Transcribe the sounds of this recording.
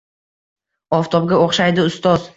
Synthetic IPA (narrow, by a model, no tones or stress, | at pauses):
ɒft̪ʰɒb̚ɡʲaoχʃajd̪ɪʊst̪ɒz̥